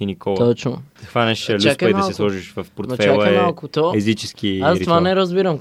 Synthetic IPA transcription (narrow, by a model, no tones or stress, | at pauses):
inikɔlˠt̪ɔt͡ʃnot̪ɐkvanɛʃlt͡ʃaidmɐalsˠɛslˠɔʒiʃvɐfpoɾt̪ft͡ʃɛalˠɛɛmalˠkʊt̪ɔɛzit͡ʃɛskiazɾit̪vannɛɾɐzbiɾɐm